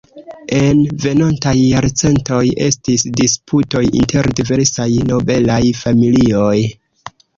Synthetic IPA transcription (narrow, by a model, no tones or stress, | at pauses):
e̞nve̞nontajːaɾt͡se̞nto̞je̞̰stisdispʰuto̞jḭnte̞ɾdive̞ɾsajno̞be̞lajfamilio̞j